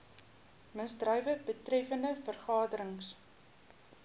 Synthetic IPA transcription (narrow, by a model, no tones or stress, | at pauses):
məsdrœjvəbətrɛfəndəfərχɑːdəɾəŋs